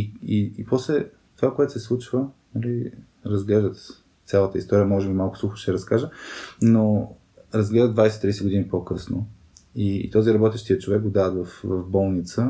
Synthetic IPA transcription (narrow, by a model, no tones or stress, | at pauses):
iiipɔslɛ | t̪ovakoɛt̪ʊ̥sɛslˠut͡ʃvənɐli | ɾɐzɡlɛʒd̪ət̪ | t̪sʲjalˠət̪əist̪ɔɾiəmɔʒɛbimalˠkʊ̥sluxʊ̥ʃt̪ɛɾɐskaʒəno | ɾɐzɡlɛʒdəd̪vajsɛ̥t̪ɾijsɛɡʊd̪inipokɤsno̰ | ḭt̪ɔziɾɐbɔt̪ɛʃt̪iət͡ʃovɛk̚ɡod̪aət̪vɐfvɐfbɔlˠnit̪sə